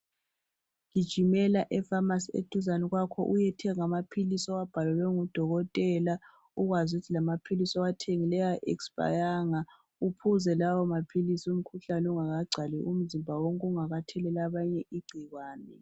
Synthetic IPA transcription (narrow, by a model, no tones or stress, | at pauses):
ŋid̥ʒ̥ʱimɛlaʔɛfamasiḛd̥ʱuzanɛɣwakʰɔ̰ʔujɛtʰɛŋamapʰilisɔwab̥ʱalɔlwɛŋud̥ʱɔɣɔtʼɛla | uɣwazutʰilamapʰilisɔwatʰeŋilɛjaʔɛksb̥ʼa̰jaŋa | upʰuzɛlawɔmapʰilisium̩kʰuɬanɛuŋaɣaɡ͡ǀʱalḭʔum̩zimbʱawoŋkʼuŋaɣatʰɛlɛlaβaɲɛʔiɡ͡ǀʱiɣwaːnɛ